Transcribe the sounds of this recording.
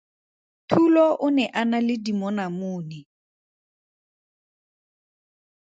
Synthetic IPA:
tʰulɔʔʊnɛʔanalɪdimɔnamʊːnɛ

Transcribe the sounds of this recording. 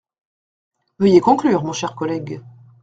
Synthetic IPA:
vəjekɔ̃klyːʁmɔ̃ʃɛʁkɔlɛɡ

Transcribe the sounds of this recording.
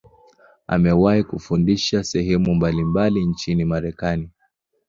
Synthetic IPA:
a̰mɛwaikufundiʃasɛɦɛmumbalimbalint͡ʃinimaɾɛkani

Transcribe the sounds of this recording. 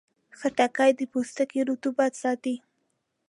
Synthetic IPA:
xəʈakajd̪əpost̪akeɾut̪ubɑd̪sɑt̪i

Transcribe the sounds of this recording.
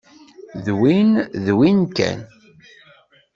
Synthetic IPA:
ðwinðwinkæ̰n

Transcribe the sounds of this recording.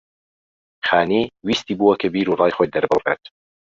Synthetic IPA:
xaːniːwiːst̪iːbuːwɐkʰɐbiːɾuːrˤɑːjxoj̚d̪ɐɾbɨreːt̪

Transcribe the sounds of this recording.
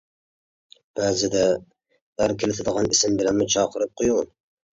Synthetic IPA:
b̥æːzɪd̪ɛ | æɾkʲʰelɪt̪ʰɪd̪əʁɑnisɪmbɪlæmmɪt͡ʃʰɑːqʰəɾɨp̚qʰojulˠ

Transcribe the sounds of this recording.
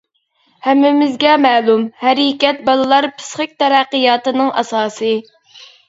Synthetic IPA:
hɛmːɪmɪzɡʲɛmæːlˠumhæɾikʲɛt̪̚bɑlˠɨlˠɑɾpʰɪ̥sχɨk̚ʲt̪ɛɾæqːəjɑːt̪ɨnɨŋʔɑsɑːsɨ

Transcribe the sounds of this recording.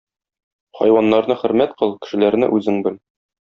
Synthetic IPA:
χɒ̰jwɑnːɑɾnɤχɘ̆ɾmæt̪qɤlˠkɘ̥̆ʃɘ̆læɾnɘ̰ʔʉzɘŋbɘl

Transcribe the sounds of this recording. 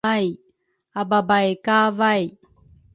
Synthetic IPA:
aj | ababajekaːvaj

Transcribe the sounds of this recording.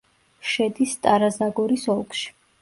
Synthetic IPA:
ʃɛd̪ist̪ʼaɾazaɡɔɾisɔlˠkʰʼʃi̥

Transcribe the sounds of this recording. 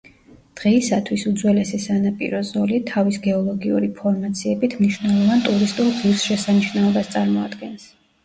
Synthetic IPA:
d̪̥ʁɛisat̪ʰwisud̪zwɛlɛsɛsanapʼḭɾɔzɔlit̪ʰavisɡɛɔlˠɔɡiṵɾipʰɔɾmat̪sʰiɛbit̪ʰmniʃvnɛlˠɔvant̪ʼuɾist̪ʼulˠʁivsʃɛsaniʃnaɔbast̪sʼaɾmɔad̪̥ɡɛns

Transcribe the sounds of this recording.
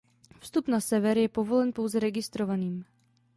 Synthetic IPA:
fst̪upnasɛvɛɾjɛpovo̞lɛnpo̞wzɛɾɛɡɪst̪ɾovaniːm

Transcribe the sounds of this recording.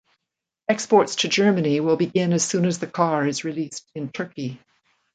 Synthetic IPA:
ɛkspɔɹtstʰɨd͡ʒɜ˞mɨniwɪlˠbɨɡɪ̃nɨz̥sʉ̃nɨzðɨkʰɑɹɨzɹilistɨ̃ntʰɜ˞ki

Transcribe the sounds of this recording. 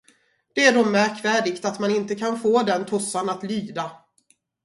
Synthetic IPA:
d̪̥ɛæɖɔmmːæɾkvæːɖɪɡt̪at̪manɪnt̪əkʰanfoːd̪ɛnt̪ʰʊsːanat̪lyːd̪a

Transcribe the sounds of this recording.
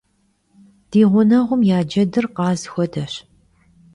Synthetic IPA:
d̥iːʁʷʊnɐʁʷʊmjaːd͡ʒɐdɨrqɑːzxʷɔdɐɕ

